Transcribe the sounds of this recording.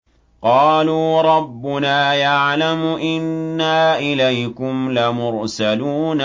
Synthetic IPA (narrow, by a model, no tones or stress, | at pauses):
qɑːluːɾˤɑbːʊnaːjaʕlamʊʔɪnːaːʔɪlajkʊmlamʊɾsaluːn